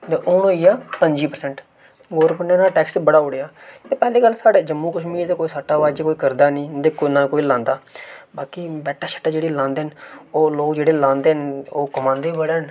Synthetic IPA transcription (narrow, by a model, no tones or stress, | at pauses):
d̪eːʔoːnoːiːaːpəɲd͡ʒiːpəɾsɛɳʈ | ɡoːɾbənãːnãːʈɛːksbəɽaːoːɽejaːt̪eːpɛːliːɡəlːsaːɽeːd͡ʒəmːũːkəʃmiːɾt̪eːkoːiːsaʈːaːʋaːd͡ʒːkoːiːkəɾd̪aːnĩːd̪eːkonãːkoːiːlãːnd̪aːbaːkiːbɛːʈʰaːʃə̥ʈːaːd͡ʒeːɽiːlãːnd̪eːɦənoːloːkd͡ʒeːɽeːlãːnd̪eːɦnoːkəmãːnd̪eːbəɽeːɦən